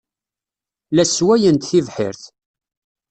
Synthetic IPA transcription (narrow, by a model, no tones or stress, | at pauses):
læswæjənt̪θivħɪ̰ɾθ